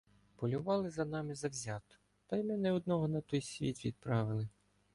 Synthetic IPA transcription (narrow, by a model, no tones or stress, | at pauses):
pɔlʲʊʋɑlˠɪzɐnɑmɪzɐwzʲɑt̪ʊ̥ | t̪ɐjmɪnɛɔd̪nɔɦɔnɐt̪ɔjsʲʋʲit̪ʲʋʲid̪̚pɾɑʋɪlˠɪ